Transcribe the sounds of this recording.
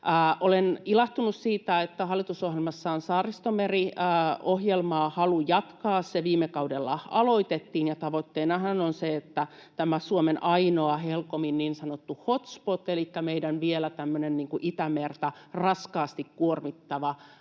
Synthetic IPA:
ʔolenilɑht̪unussiːt̪æet̪ːæhɑlːˑit̪usohjelmɑsːɑːnsɑːrːist̪omeriːohjelmɑːhɑlujɑt̪kɑːsseʋiːmːekɑudelːɑɑ̰loit̪et̪ːiːnjɑt̪ɑʋot̪ːeinɑhɑnonseet̪ːæ | t̪æmæsuomenʔɑinoɑhelkominniːnsɑnot̪ːuhot̪spot̪ːelikːæmeidænʋielæt̪æmːønenniːŋkuʔit̪æmert̪ærɑskɑːst̪ikkuormit̪ːɑʋɑ

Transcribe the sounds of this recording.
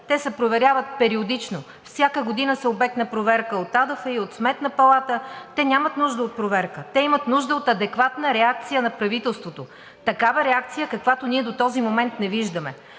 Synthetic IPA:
t̪ɛsɛpɾovɛɾʲjavət̪̚pɛɾiod̪it͡ʃno | fsʲjakəɡod̪inəsɛobɛknəpɾovɛɾkəot̪ad̪əfəiot̪smɛt̪nəpɐlˠat̪ət̪ɛnʲamət̪nuʒd̪əot̪̚pɾovɛɾkət̪ɛimət̪nuʒd̪əot̪ɐd̪ɛkvat̪nəɾɛak̚t̪sijənɐpɾɐvit̪ɛlˠst̪vot̪o | t̪ɐkavəɾɛak̚t̪sijəkɐkvat̪oniɛd̪ot̪ɔzimomɛnt̪nɛviʒd̪əmɛ

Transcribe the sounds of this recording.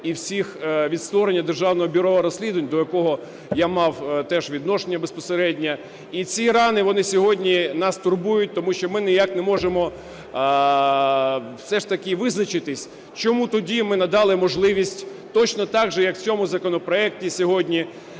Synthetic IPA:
iwsʲixʋʲit̪st̪ʋɔɾenʲːɐd̪erʒɑwnɔɦɔbʲʊɾɔɐɾɔsʲlʲid̪ʊʋɐnʲd̪ɔjɐkɔɦɔ | jamɑwt̪ɛʃʋʲid̪nɔʃenʲːɐbespɔseɾɛdʲnʲɐ | it͡sʲiɾɑnɪʋɔnɪsʲɔɦɔdʲnʲinɑst̪ʊrbujʊt̚ʲt̪ɔmuʃt͡ʃɔmɪnɪjaknɛmɔʒemɔ | wsɛʂt̪ɐkɪʋɪznɐt͡ʃɪt̪ɪsʲ | t͡ʃɔmut̪ɔdʲimɪnɐd̪ɑlˠɪmɔʒlˠɪʋʲisʲtʲ | t̪ɔt͡ʃnɔt̪ɑɡʒɛjɐkw̥t͡sʲɔmʊzɐkɔnɔpɾɔɛk̚tʲisʲɔɦɔdʲnʲi

